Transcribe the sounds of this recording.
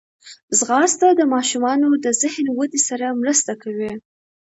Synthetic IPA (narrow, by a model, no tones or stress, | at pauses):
zɣɑst̪ad̪əmɑʃumɑnod̪əzɪhnwad̪isaɾamɾəst̪akawi